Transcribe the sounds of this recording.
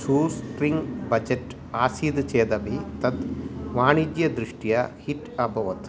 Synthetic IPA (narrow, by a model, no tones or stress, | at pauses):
suːsʈɾiŋɡbɐd͡ʒeʈ | aːsiːd̪t͡ʃeːd̪ɐʋit̪ɐt̪ʋaːɳid͡ʒ̪jɐd̪ɾiʂʈijɐhiʈɐbʱɐʋɐt̪